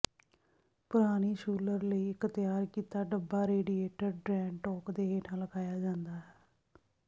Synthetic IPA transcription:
pʊɾaːniːʃuːləɾləiːɪkt̪ɪjaːɾkiːt̪aːɖəbːaːɾeːɖiːeːʈəɾɖɾɛ̃ːɳʈɔːkd̪eːɦeːʈʰãːləɡaːjaːd͡ʒãːnd̪aːɦɛː

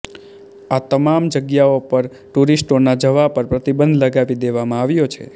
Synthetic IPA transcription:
at̪əmamd͡ʒəɡjaopəɾ | ʈuɾisʈonad͡ʒəʋapəɾpɾət̪ibə̃nd̪ʱləɡaʋid̪eʋamãaʋjot͡ʃʰḛ

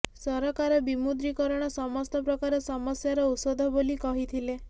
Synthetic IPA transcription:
sɔɾɔkaɾɔbimud̪ɾikɔɾɔɽ̃ɔsɔmɔst̪ɔpɾɔkaɾɔsɔmɔsjaɾɔut̪sod̪ʱɔbolikɔɦit̪ʰile

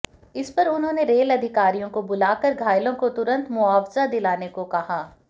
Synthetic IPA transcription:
ɪspɐɾʊnɦõːneɾeːlɐd̪ʱɪkaːɾijõkobʊlaːkəɾɡʱaːjlõkot̪ʊɾə̃nt̪mʊaːfzad̪ɪlaːnekokɐɦaː

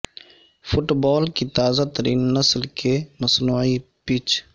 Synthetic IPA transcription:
fʊʈbɔːlkit̪aːzat̪əɾiːnːəslkʰeməsnuːi | piːt͡ʃʰ

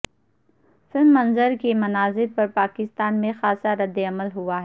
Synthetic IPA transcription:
sɪnd̪mɐ̃nzəɾkemɐnaːzɪɾpɐɾpaːkɪst̪aːnmẽxaːsaɾɐd̪ːeɐməlɦʊaɦɛː

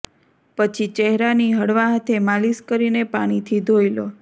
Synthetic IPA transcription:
pət͡ʃʰit͡ʃɛɦɾaniɦəɽʋaɦat̪ʰemaliskəɾinepaɽ̃it̪ʰid̪ʱojlo

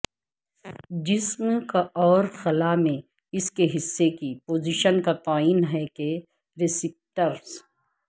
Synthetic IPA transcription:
d͡ʒɪsmkaʔɔːɾxɐlamẽ | ɪskeɦɪsːekipoːziʃənkat̪aːiːnɦɛke | ɾɪsɪp̚ʈəɾs

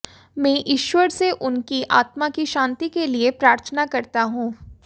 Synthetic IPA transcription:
mɛ̃ːʔɪʃwəɾseʔʊnkiʔa̰ːt̪makiʃãːnt̪ikeliepɾaːɾt̪ʰənakɐɾt̪aɦũː

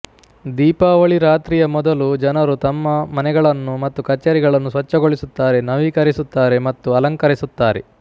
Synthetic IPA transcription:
d̪iːpaːʋɐɭiɾaːt̪ɾiːjɐmɔd̪ɐlud͡ʒɐnɐɾut̪ɐmːɐmɐnɛɡɐɭɐnːumɐt̪ːukɐt͡ʃːɐɾiɡɐɭɐnːusʋɐt͡ʃːɐɡo̞ɭisut̪ːaːɾe̞nɐʋiːkɐɾisut̪ːaːɾe̞mɐt̪ːuɐlɐŋkɐɾisut̪ːaːɾe̞̰

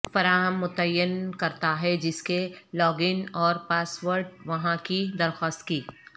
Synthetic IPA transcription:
fɐɾaːɦəmːʊt̪əjːənkɐɾt̪aɦɛd͡ʒɪskelɔːɡɪnɔːɾpaːsʋəɾɖʋɐɦãkid̪ɐɾxaːst̪kiː

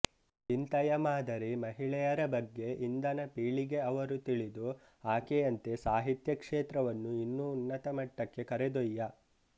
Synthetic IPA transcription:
int̪ɐjɐmaːd̪ʱɐɾimɐɦiɭɛjɐɾɐbɐɡːe̞ʔind̪ɐnɐpiːɭiɡe̞ɐʋɐɾut̪iɭid̪u | aːkeɐnt̪e̞saːɦit̪jɐkʂeːt̪ɾɐʋɐnːuinːuːnːɐt̪ɐmɐʈːɐkːe̞kɐɾed̪ɔjːɐ

